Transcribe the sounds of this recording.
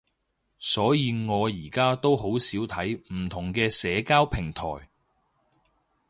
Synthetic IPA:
sɔː˨˥jiː˧ŋɔː˨˧jiː˨˩kaː˥t̪o˥wɦo˨˥wsiː˨˥wt̪ʰɐ˨˥jm̩˨˩t̪ʰʊ˨˩ŋkɛː˧sɛː˨˧kaː˥wpʰɪ˨˩ŋt̪ʰɔ̰ː˨˩j

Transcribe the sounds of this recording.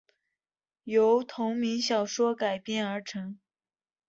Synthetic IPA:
jo˧˥ʊt̪ʰʊ˧˥ŋmi˧˥ŋɕjɑ˨˩ʊʂwɔ˥ka˨˩ɪpjɛ˥˩nə˞˧˥ʈ͡ʂʰɤ˧˥ŋ

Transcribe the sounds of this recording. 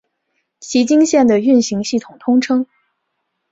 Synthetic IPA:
ɕi˧˥t͡ɕi˥ŋɕjɛ˥˩nd̪ə˩y˥˩nɕi˧˥ŋɕi˥˩t̪ʰʊ˨˩ŋt̪ʰʊ˥ŋʈ͡ʂʰɤ˥ŋ

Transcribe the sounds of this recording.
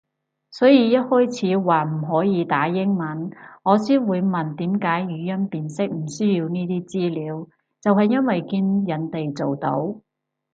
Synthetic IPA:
sɔː˨˥jiː˨˧jɐ˥t̚hɔː˥jt͡sʰiː˨˧˥waː˨˩m̩˨˩ɦɔː˨˥jiː˨˧t̪aː˨˥jɪ˥ŋmɐ˨˥nŋɔː˨˧siː˥nwuː˨˧jmɐ˨nt̪iː˨˥mkaː˨˥jjyː˨˧˥jɐ˥npiː˨nsɪ˥k̚m̩˨˩sɵː˥jiː˧wniː˥t̪iː˥t͡siː˥liː˨˧w | t͡sɐ˨whɐ˨jːɐ˥nwɐ˨jkiː˧njɐ˨˧nt̪e˨jt͡so˨wt̪o̰˨˥w

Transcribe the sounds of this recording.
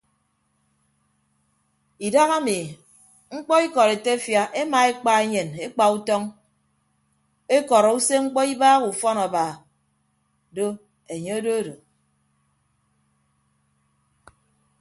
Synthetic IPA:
i˨da˦ɣa˦mi˨ | ŋ̩˦k͡pɔ˦i˦kɔ˨ɾe˨te˦fja˦ʔe˦ma˨e˦k͡pa˦e˦ɲe˨ne˦k͡pa˨u˦tɔ˦ŋ | e˦kɔ˨ɾɔ˨u˦se˦ŋ͡m̩˦k͡pɔ˦i˦baː˦ɣu˨fɔ˦nɔ˨ba˨ | do˦ | e˨ɲe˦o˦do˦do˨

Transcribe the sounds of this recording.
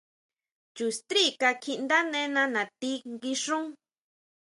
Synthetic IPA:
t͡ʃu˨st̪ɾi˦ka˧kʰi˧ʔnd̪a˦nẽ˧˦nã˧nã˨t̪i˦ŋɡi˧ʂũ˦

